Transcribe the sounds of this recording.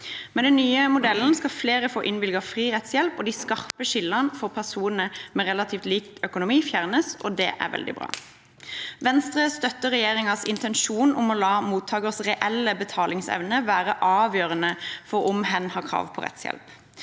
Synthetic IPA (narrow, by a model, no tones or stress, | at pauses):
mɛnd̪ɛnːyːəmʊd̪ɛln̩skɑfleːʁəfo̰ːʔɪnʋɪlɡɑfʁiːʁɛt̪sjɛlpɔd̪iskɑʁpəʃɪlːənfɔʁpʰæʁsuːnənəmɛʁɛlɑt̪ʰiːft̪liːk̚t̪œkʊnʊmiːfjæːʁnəsʔɔd̪ɛ̰ːʔæ̰ʁʋɛ̰ld̪ɪ̰bʁɑ̰ː | ʋɛnst̪ʁəst̪œt̪ːəʁɛjeːʁɪŋɑsɪnt̪ʰɛnʃuːnʊmɔlɑːmuːt̪ʰɑːɡəʁsʁɛʔɛlːəbət̪ʰɑːlɪŋsɛ̰ʋnəʋæːʁəʔɑːʋjøːʁənəfɔʊmhɛnhɑːkʰʁɑ̰ːʋpʰɔ̰ʁɛ̰t̪sjɛ̰lp